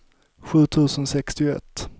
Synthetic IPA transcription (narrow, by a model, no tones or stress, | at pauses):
ɧʉ̟ːt̪ʰʉ̟ːsənsɛkst̪ɪɛ̰t̪ː